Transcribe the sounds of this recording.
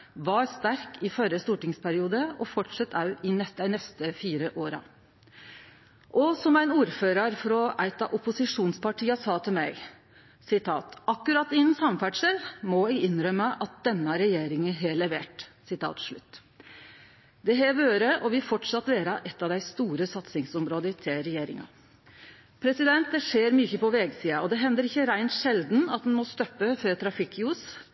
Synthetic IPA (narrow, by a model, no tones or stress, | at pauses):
ʋɑɾst̪æɾkɪfœɾəst̪uːʈɪŋspʰæɾɪuːd̪əɔfɔʈʂɑt̪ːʰɑʉɪnɛnɛst̪əfiːɾəʔoːɾɑ̰ | ʔɔsɔmæɪnuːɾføːɾɑɾfɾɔʔæɪt̪ɑʔʊpʊsɪʂuːnspɑʈʰiːəsɑːt̪ʰɪlmæɪ | sɪt̪ʰɑ̰ːt̪ɑkːʉɾɑt̪ːɪɛnsɑmfæːɖʂɛlmɔæɡɪnːɾœməʔɑt̪̚d̪ɛnːəɾɛjeːɾɪŋəɦɛɭɛʋeːʈsɪt̪ʰɑ̰ːt̪ʂɭʉ̰t̪ː | d̪ɛɦɛʋøːɾəʔɔʋɪlfɔʈʂɑt̪ːʋeːɾɑʔɛt̪ːɑʋd̪æɪst̪uːɾəsɑt̪sɪŋsɔmɾoːd̪ət̪ʰɪlɾɛjeːɾɪ̰ŋɑ̰ | pʰɾɛsɪd̪ɛnt̪̚d̪ɛʂeːɾmyːçəpɔʋeːɡsiːɑɔd̪ɛɦɛnd̪əɾɪçːəɾæɪnt̪ʂɛld̪n̩ɑt̪̚d̪ɛnmɔst̪œpːəføːt̪ʰɾɑfɪkːjuːs